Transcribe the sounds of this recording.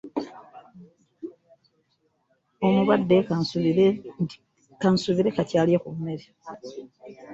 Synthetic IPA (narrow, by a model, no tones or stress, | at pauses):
onoβwadːe | kansuβiɾe̞katjaːljekummːeɾi